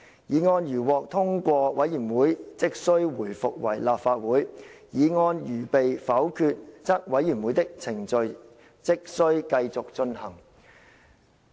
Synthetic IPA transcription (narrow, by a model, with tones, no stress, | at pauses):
jiː˨˧ŋɔː˧njyː˨˩wɔː˨k̚t̪ʰʊ˥ŋkʷɔː˧wɐ˨˥jyː˨˩nwuː˨˥jt͡sɪ˥k̚sɵ˥ɥwuː˨˩jfʊ˨k̚wɐ˨˩jlaː˨p̚faː˧t̚wuː˨˥jjiː˨˧ŋɔː˧njyː˨˩pe˨jfɐ˨˥wkʰyː˧t̚t͡sɐ˥k̚wɐ˨˥jyː˨˩nwu˨˥jt̪ɪ˥k̚t͡sʰɪ˨˩ŋt͡ʃɵ˨˧ɥ | t͡sɪ˥k̚sɵ˥ɥkɐ˧jt͡sʊ˨k̚t͡sɵ˧nhɐ˨˩ŋ